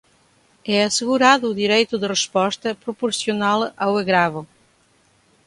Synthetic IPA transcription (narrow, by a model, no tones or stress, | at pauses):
ɛɐseɣuɾaðʊːðiɾejt̪ʊðɨreʃpɔʃt̪ɐpɾopoɾsjonalˠaweɣɾavʊ